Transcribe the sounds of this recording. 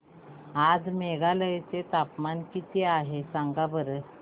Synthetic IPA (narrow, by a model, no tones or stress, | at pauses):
ad͡zmeɡaləjt͡set̪apmankit̪eaɦesãŋɡabəɾə